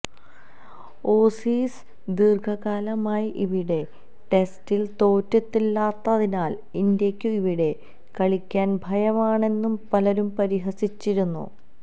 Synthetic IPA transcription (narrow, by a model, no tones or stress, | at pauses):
oːsiːs | d̪irɡʰʱɐɣaːlɐmaːjiʔiʋiɽe̞ | ʈe̞stilt̪o̞ːtːɐt̪ːilːaːt̪ːɐðinaːl | ind̪jɐkʲːuiʋiɽe̞ | kɐɭikʲːaːnbʱɐjɐʋaːɳe̞nːumpɐlɐɾumpɐɾiɦɐsit͡ɕːiɾunːṵ